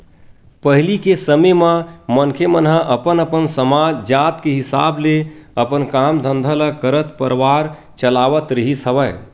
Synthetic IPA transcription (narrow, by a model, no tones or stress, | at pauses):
pəɦlikesəmemə̃mənkʰemənɦãʔəpənəpənsəmad͡ʒd͡ʒat̪keɦɪsa̰ːbleəpənkaːmd̪ʱə̃nd̪ʱələkəɾət̪pəɾʋaɾ | t͡ʃəlaːʋət̪ɾəɦisɦəʋə